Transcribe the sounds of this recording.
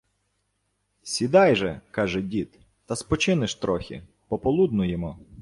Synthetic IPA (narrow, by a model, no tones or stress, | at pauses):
sʲid̪ɑjʒɛkɑʒɛdʲit̪ | t̪ɐspɔt͡ʃɪnɪʃt̪ɾɔxʲḭ | pɔpɔlˠud̪nʊjemɔ